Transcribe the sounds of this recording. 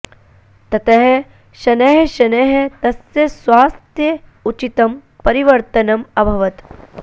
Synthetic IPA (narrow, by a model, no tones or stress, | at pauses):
t̪ɐt̪ɐɦe | ʃɐnɐɦeʃɐnɐɦet̪ɐsjɐsʋaːst̪jɐut͡ʃit̪ɐmpɐɾiʋɐɾt̪ɐnɐmɐbʱɐʋɐt̪